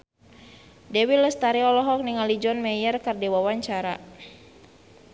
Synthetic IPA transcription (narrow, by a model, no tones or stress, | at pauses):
dɛwiləst̪aɾiɔlɔɦɔk̚niŋalid͡ʒɔnmɛjərkərdiwawaɲt͡ʃaɾa